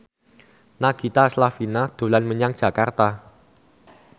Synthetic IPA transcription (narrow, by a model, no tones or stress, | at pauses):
naɡ̥it̪aslafinad̪̥ṳlanməɲaŋ̥ʒ̥a̤kart̪a